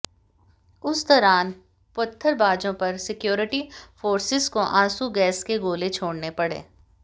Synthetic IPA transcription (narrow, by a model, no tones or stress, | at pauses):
ʊsd̪ɔɾaːn | pʊt̪ʰːəɾbaːd͡ʒõpɐɾsɪkjoːɾɪʈifoːɾsɪzkoʔãːsuɡɛːskeɡoːlet͡ʃʰoːɽnepɐɽḛ̃ː